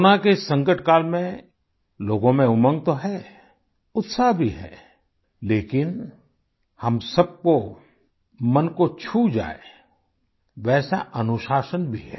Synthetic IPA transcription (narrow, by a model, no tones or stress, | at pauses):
ʊnakesə̃ŋkəʈʰkaːlmẽ | loːɡõmẽʊmə̃ŋɡ̚t̪oɦɛː | ʊt̪saɦbʱiɦɛ̰ː | leːkɪn | həmsəb̚ko | mənkot͡ʃʰud͡ʒa̰ːe | ʋɛːsaʔɐnʊʃaːʃənbʱiɦɛ̰ː